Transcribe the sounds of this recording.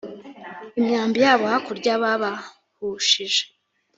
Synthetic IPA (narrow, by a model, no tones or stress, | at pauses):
imɲaːmbijaːβohakuɾɟaβaβa | huʃiʒe̥